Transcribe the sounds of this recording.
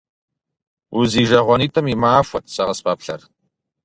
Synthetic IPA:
uziːʒɐʁʷɔniːtʰɐmimaːfʷɔtʰsɐʁɐspaːpɬɐ̰r

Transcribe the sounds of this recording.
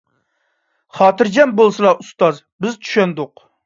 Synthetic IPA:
χɑːt̪ʰɨɾd͡ʒɛmbolˠsɨlˠɑust̪ɑzbɪzt̪ʰy̥ʃɛnd̪ʊq

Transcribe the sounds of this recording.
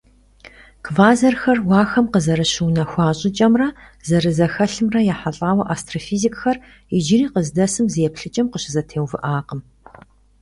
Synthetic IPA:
kʰvaːzɐrxɐrwɑːxɐmqəzɐɾɨɕɪwnɐxʷɑːɕʼɪt͡ʃʼɐmrɐ | zɐrɨzɐxɐɬɨmrɐjaːħaɬʼaːwɐʔaːstʰrofiːzikʼxɐr | ɪd͡ʒɪriːqəzdɐsɨmzjɛpɬɨt͡ʃʼɐmqəɕɪzɐtʰeːwvɨʔaːqəm

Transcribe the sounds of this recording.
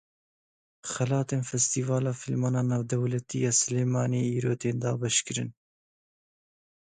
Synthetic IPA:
xɛlɑːt̪eːnfɛst̪iːvɑːlɑːfilmɑːnɑːnɑːvd̪ɛwlɛt̪iːjɑːsɨleːmɑːneːiːɾoːt̪eːnd̪ɑːbɛʃkɨɾɨn

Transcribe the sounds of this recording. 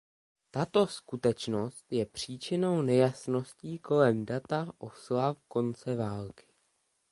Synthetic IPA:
t̪at̪o̞skut̪ɛt͡ʃno̞st̪jɛpr̝̥iːt͡ʃɪno̞wnɛjasno̞sciːko̞lɛmdat̪aʔo̞slafko̞nt͡sɛvaːlkɪ̥

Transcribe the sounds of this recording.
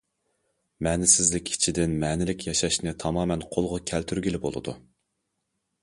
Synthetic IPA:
mɛːnɪsɪzlɪkʲi̥t͡ʃʰid̪ɪnmɛːnɪlɪkʲjɑʃɑʃnɪt̪ʰɑmɑːmɛnqʰolˠʁʊkʲʰælt̪ʰyɾɡʲilɪbo̰lˠɨ̰d̪ṵ

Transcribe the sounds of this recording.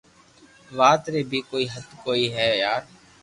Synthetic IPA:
ʋaːt̪ɾeːbʱiːkoːiːɦət̪koːiːɦɛːjaːɾ

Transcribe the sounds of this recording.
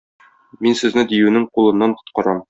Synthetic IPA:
minsɘ̆znɘd̪ijʉnɘŋqulˠɤ̆nːɑnq̪ŏt̪̚qɑɾɑm

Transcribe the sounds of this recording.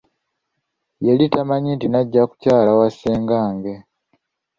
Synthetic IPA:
jelitamaɲintinaɟːaku̥caːlawaseːŋɡaːŋɡe̞

